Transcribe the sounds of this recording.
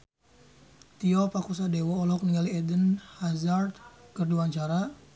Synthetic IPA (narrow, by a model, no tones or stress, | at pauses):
t̪iɔpakus̬adewɔːlɔk̚niŋaliɛdənhazart̪kərduaɲt͡ʃaɾa